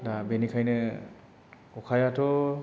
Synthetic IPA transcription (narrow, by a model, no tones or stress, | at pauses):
dabenikʰajnɯ | ɔkʰajatʰɔ